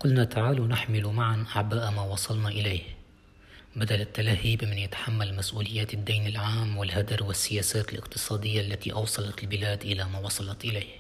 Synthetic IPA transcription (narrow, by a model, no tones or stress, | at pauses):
qʊlnat̪aʕaːlawnɪħmɪlmaʕanʔaʕbaːʔmaːwɑsˤɑlnɑʔɪlaːh | bad̪alɪt̪ːalahiːbmɪnjɪt̪ḁħamːalmasʔuːlɪjːaːt̪ɪd̪ːiːnɪlʕaːmwɪlhad̪ɑɾwɪsːɪjaːsaːt̪ɪlʔɪ̰qt̪ɨ̥sˤɑːd̪ɪjːaʔlːat̪iʔɑwsˤɑlɑt̪ɪlbɪlaːd̪ʔɪlamaːwɑsˤɑlɑt̪ʔɪlaːh